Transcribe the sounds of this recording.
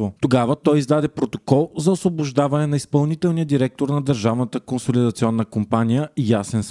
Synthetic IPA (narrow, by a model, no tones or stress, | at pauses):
vot̪oɡavət̪ɔjizd̪ad̪ɛpɾot̪o̥kɔlˠzɐosvobʊʒd̪avɐnɛnɐispɐlˠnit̪ɛlˠnijəd̪iɾɛk̚t̪oɾnɐd̪əɾʒavnət̪əkonsolid̪ɐt̪siɔnːəkompanijəijasɛns